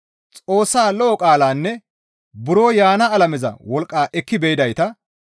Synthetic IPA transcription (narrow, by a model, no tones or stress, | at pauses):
t͡sʼo̞ːsːaːlɔːkʼaːlaːnːɛ | bʊɾoːjaːnɐːlɐmɛzɐ̰wɔlkʼːaːʔɛkːɪbɛjɪd̪ɐjt̪ɐ